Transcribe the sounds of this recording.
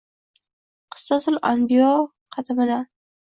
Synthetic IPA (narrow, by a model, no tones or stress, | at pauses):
qʰɨ̥sːasʊlanbijo | qʰɑt̪ʰɪmɪd̪a